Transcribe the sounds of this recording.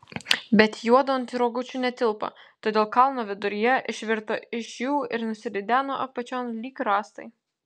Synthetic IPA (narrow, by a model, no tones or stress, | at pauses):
bʲɛt̪juɔd̪oːnʲt̪ʲiɾoːɡʊt͡ʃʲuːnʲɛt̪ʲɪlˠpɐ̰t̪oːd̪ʲeːlˠkɐlˠnoːʋʲɪd̪ʊɾʲɪjɛʔɪʃʲʋʲɪɾt̪oɪʃjuːɪɾnʊsʲɪd̪ʲɪd̪ʲæːnoːʔɐpɐt͡ʃʲoːnlʲiːkɾɑːst̪ɐ̰ɪ